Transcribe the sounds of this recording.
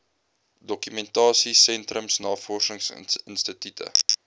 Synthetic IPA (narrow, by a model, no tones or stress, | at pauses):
dɔkymɛntɑːsisɛntrəmsnɑːfɔrʃəŋsənstətytʰə̰